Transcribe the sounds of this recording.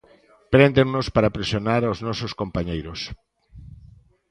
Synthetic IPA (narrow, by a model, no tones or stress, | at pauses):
pɾend̪eŋnospaɾapɾesjonaɾaoznɔsoskompaɲejɾos